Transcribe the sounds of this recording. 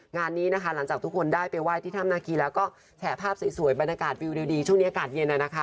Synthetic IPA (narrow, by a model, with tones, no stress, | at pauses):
ŋaː˧nːiː˦˥na˦˥kʰa˦˥la˩˦ŋt͡ɕaː˨˩k̪̚ʰu˦˥kʰo˧ndaː˥˩jpa˧jwaː˥˩t̪ʰiː˥˩a˥˩mnaː˧kiː˧lɛː˦˥wkɔː˥˩ | t͡ɕʰɛː˩pʰaː˥˩p̚si˩˦jsu˨˩˦əjba˧nja˧kaː˨˩t̪̚wi˧wdiː˧wdiː˧t͡ɕʰu˥˩ŋniː˦˥a˧kaː˨˩t̪̚je˧nːa˧˩na˦˥kʰa˦˥